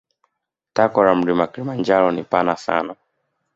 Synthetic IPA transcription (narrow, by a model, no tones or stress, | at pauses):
takɔɾam̩ɾimakilimand͡ʒaɾɔnipanasa̰na